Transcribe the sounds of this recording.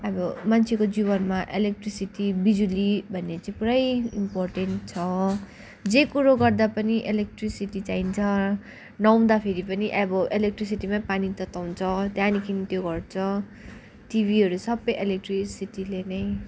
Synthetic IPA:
ʌbʌmant͡sʰekod͡ziβʌnmaʔelek̚ʈrisiʈibid͡zulibʱʌnːet͡saĩpuɾʌjimporʈenʈ̚t͡sʰʌ | d͡zekuɾoɡʌrd̪apʌniʔelek̚ʈrisiʈit͡saint͡sʰʌ | nʌw̃d̪apʰeɾipʌniʔʌbʌʔelek̚ʈris̬iʈimapanit̪ʌt̪aw̃t͡sʰʌt̪jãnikʰinit̪joɡʌrt͡sʰʌ | ʈibʱiɦʌɾusʌbʌjʔelek̚ʈrisiʈilenʌj

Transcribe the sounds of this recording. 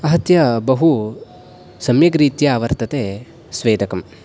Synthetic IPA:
ɐɦɐt̪jɐbɐɦu | sɐmjɐkɾiːt̪jɐaːʋɐɾt̪ɐt̪eː | sʋeːd̪ʱɐkɐm

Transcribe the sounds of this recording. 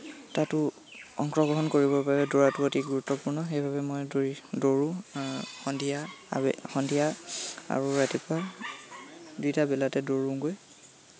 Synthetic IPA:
tatʊ | ɔŋkɹɔɡɹɔɦɔnkoɹibɔpaɹɛdɔɹatuotʰiɡuɹutːɔpuɹnɔxejbʱaβɛmɔjdɹidoɹʊ̃xɔndija̰bɛ̰xɔndijaa̰ɹuɹatipaɹ | dutabɛlatɛdoɹũɡoj

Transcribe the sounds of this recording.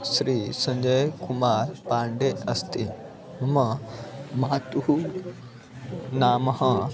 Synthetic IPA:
sɾiːsɐ̃ɲd͡ʑəjkumaːɾpaːɳɖeɐst̪i | mɐmɐ | maat̪uɦu | naːmɐɦɐ̃

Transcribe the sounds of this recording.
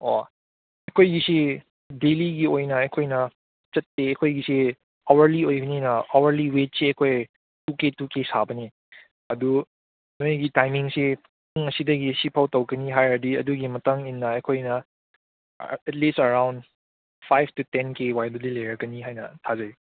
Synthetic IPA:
o̰ | ɐkʰojɡisi | deliɡiojnɐɐkʰojnɐ | t͡ʃɐtːeɐkʰojɡisi | ɔwɐɾliojbɐninɐowɐɾliwet̚siɐkʰoj | tuketukesabɐni | ɐdu | nojɡitajmiŋsi | uŋɐsidɐɡisipʰawtɐwɡɐniɦajɾɐdiɐduɡimɐtaŋinːɐɐjkʰojnɐ | ɛt̚listɐɾawnd | pʰajbʰtutenkewajdɐdilejɾɐkɐniɦajnɐtʰazɐi

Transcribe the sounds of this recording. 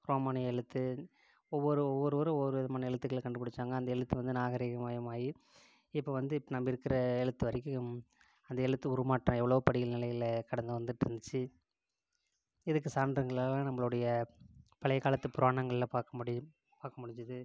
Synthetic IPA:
ɾoːmaːnɐjɐɛɻɯt̪ːɯ | ɔʋːɔɾɯɔʋːɔɾɯʋɔɾɯʋɾɯʋɪðɐmaːnɐɛɻɐt̪ːɯkːɐɭkɐɳɖɯpːɐɽɯt͡ʃːaːŋɡɐːnd̪ɐɛɻɐt̪ːɯʋɐnd̪ɯnaːɣɐɾiːɣɐmaːjɐmaːji | ɪpːoʋɐnd̪ɯɪpːnɐmːɐɪɾɯkːɪɾɐɛɻɐt̪ːɯʋɐɾɪkʲːɯɯ̃m | ɐnd̪ɐɛɻɐt̪ːɯʊɾʊmaːʈːrãːɛʋːɐɭɐʋɯpɐɽɪɣɐlnɪlɐjɪlkɐɽɐnd̪ɐʋɐnd̪ɯʈːɪɾɯnd̪ɯt͡ʃːɯ | ɛðɯk̬ːɯsaːɾndɾɐŋɡɐɭaːlãːnɐmːɐɭɯɽɐjɐpɐɭɐɪɣaːlɐt̪ːɯpʊɾaːɳɐŋɡɐɭɪlapaːɾkɐmɽ | paːɾkɐmʊɽɪɲd͡ʒɐðɯ

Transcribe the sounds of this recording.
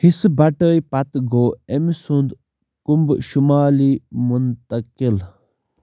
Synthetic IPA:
hisbɐʈəːipɐt̪ɡoːemisund̪ | kumbʃumaːliːmunt̪ɐkil

